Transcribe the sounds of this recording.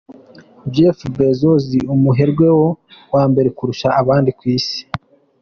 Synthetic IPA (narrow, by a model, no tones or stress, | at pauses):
d͡ʒefbezoziumuɦe̞ɾɡwe̞wo̞waːmbe̞ɾekuɾuʃaːβaːndikwiːsi̥